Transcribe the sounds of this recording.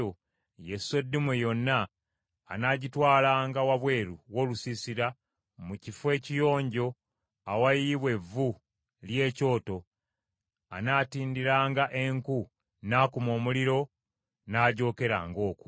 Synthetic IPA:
o | jese̞dːimwejo̞nːa̰ː | naːɟitwaːlaːŋɡawaβwe̞ːɾuwo̞ːlusisiɾa | mucifwe̞ːcijo̞ːɲɟo̞ | awajiβwe̞vːu | lje̞ːco̞ːto̞ | a̰naːtiːndiɾaːŋɡaʔe̞ŋku | naːkumo̞ːmuliɾo̞ | naːɟo̞ːke̞ɾa̰ŋɡo̞ːku̥

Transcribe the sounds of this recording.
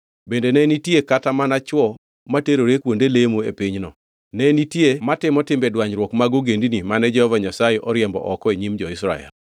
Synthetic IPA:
bendenɛnitjekatamanat͡ʃwɔ | mateɾoɾekwondelemoḛpiɲnɔ | nɛnitjematɪmɔtɪmbɛdwaɲɾwɔkmaɡoɡendinimanɛd͡ʒɛhɔvaɲasajeʔɔɾjɛmbɔ̰ʔɔkɔeɲimd͡ʒɔɪsɾa̰ɛ̰l

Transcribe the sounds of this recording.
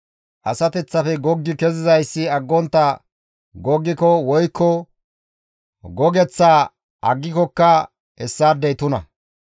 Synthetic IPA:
ʔɐsɐt̪ɛt͡sːɐfɛɡɔɡːɪkɛzɪzɐjsːɪɐɡːɔnt̪ːɐ | ɡɔɡːɪkɔwɔjkʰːɔ | ɡɔɡɛt͡sːaː | ʔɐɡːɪkɔkːɐ | hɛsːaːd̪ɛjt̪ʊnɐ̰

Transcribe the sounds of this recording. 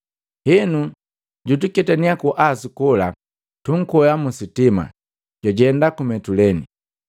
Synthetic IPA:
hinu | ɟut̬ukɛtaniakuʔasukula̰ | tuŋ̩kɔjamusitima̰ | ɟ̥aɟɛndakumɛtulɛni

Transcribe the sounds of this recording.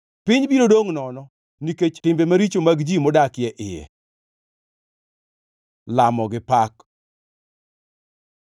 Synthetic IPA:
pɪɲbiɾodoŋnɔnɔ | niket͡ʃtɪmbemaɾit͡ʃomaɡd͡ʒimɔdakjɛʔɪjɛ̰ | lamɔɡɪpak

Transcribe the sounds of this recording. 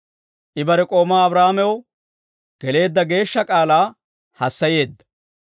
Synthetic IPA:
ʔɪbɐɾɛkʼo̞ːmaːɐbɾaːmɛwɔ | ɡ̥ɛle̞ːd̪ːɐɡe̞ːʃːɐkʼaːlaː | hɐsːɐje̞ːd̪ːɐ̥

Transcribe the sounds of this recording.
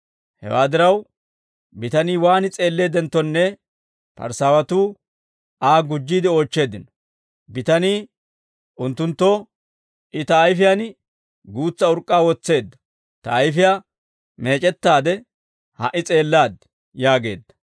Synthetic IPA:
hɛ̰wa̰ːd̪ɪɾɐw | bɪt̪ɐniːwaːnɪt͡sʼe̞ːlːe̞ːd̪ɛnt̪ːɔnːɛ | pɐ̰ɾsaːwɐt̪uː | ʔaːɡʊd͡ʒːiːd̪ɪo̞ːt͡ʃːe̞ːd̪ɪnɔ̥ | bɪt̪ɐniː | ʔʊnt̪ːʊnt̪ːɔ | ʔɪt̪ɐːjfɪjaːn | ɡuːt͡sːɐʊɾkʼːaːwɔt͡sːe̞ːd̪ːɐ̥ | t̪ɐːjfɪjaː | me̞ːt͡ʃʼɛt̪ːaːd̪ɛ | hɐ̰ʔɪt͡sʼe̞ːlːaːd̪ | jaːɡe̞ːd̪ːɐ̥

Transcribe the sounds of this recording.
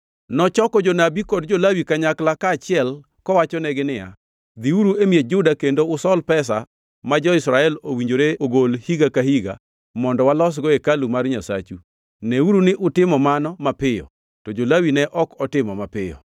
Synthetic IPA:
nɔt͡ʃɔkɔd͡ʒonabikɔdd͡ʒolawikaɲaklakaːt͡ʃɪɛl | kɔwat͡ʃɔnɛɡɪnɪja̰ | d̪iuɾuemied͡ʒʊdakendoʊsɔlpɛs̬a̰ | mad͡ʒɔɪsɾaɛlowiɲd͡ʒoɾeoɡolhiɡakahiɡa̰ | mɔndɔwalɔs̬ɡɔekalumarɲasa̰t͡ʃu | nɛuɾunɪʔʊtɪmɔmanɔmapɪjɔ̰ | tɔd͡ʒolawinɛʔɔkɔtɪmɔmapɪjɔ̰

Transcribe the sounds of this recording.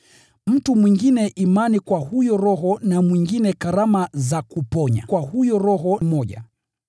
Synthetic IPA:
m̩tumwiŋɡinɛʔimanikwahujɔɾɔɦɔnamwiŋɡinɛkaɾamazakupɔɲa̰kwahujɔɾɔɦɔmɔʄa̰

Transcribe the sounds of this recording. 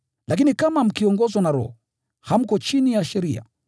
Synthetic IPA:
lakinikamam̩kiɔŋɡɔzwɔnaɾɔ̰hɔ | ham̩kɔt͡ʃinijaʃɛɾia̰

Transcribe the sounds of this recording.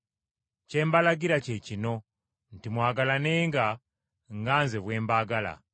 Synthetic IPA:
ce̞ːmbalaɡiɾacecino̞ | n̩timwaːɡalaneːŋɡa | ŋɡaːnzeβwe̞ːmbaːɡala̰

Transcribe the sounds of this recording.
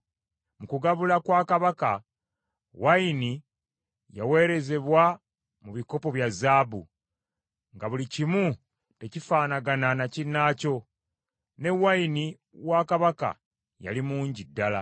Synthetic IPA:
mukuɡaβulakwaːkaβaka | waini | ja̰we̞ːɾe̞ze̞βwa | muβiko̞po̞βjazaːbṵ | ŋɡaβulicimu | te̞cifaːnaɡananacinːaːco̞ | ne̞waini | waːkaβaka̰ | ja̰limuːɲɟidːala

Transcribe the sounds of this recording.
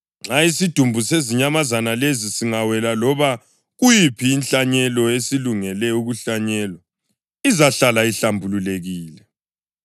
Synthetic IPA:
ŋ͡ǁaisid̥ʱumbʱuseziɲamazanalezisiŋawɛlalɔβa | ɣujipʰiːnɬaɲɛlɔesiluŋɛlɛuɣuɬaɲɛːlɔ | izaɬalaiɬambʱululeɣiːlɛ

